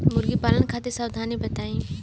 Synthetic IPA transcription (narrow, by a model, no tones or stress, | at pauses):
mʊɾɡipaːlənkʰaːt̪esaːwd̪ʱaːnibɐt̪aːĩː